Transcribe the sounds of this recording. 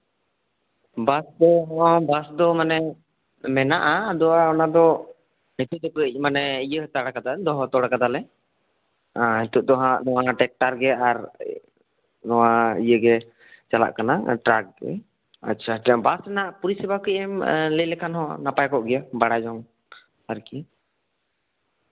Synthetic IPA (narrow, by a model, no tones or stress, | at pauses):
basd̪ɔbasd̪ɔmanɛ | mɛnaʔad̪ɔwaɔnad̪ɔ | nit̪uʔd̪ɛpəc̚ˀmanɛijəɦt̪aɽakad̪ad̪ɔɦɔ̃t̪ɔɽakad̪alɛ | ɦit̪uʔd̪ɔɦaʔnɔwaʈɛk̚ʈaɾɡɛaɾ | nɔwaḭjəɡɛ | t͡ʃala̰ʔkana̰ʈɾak̚ɡɛ̰ | a̰tːt͡ʃʰabasɛnaʔpuɾisibakiʔɛmləlɛkʰanɦɔ̰̃napajkɔʔɡɛjabaɽad͡ʒɔŋ | aɾki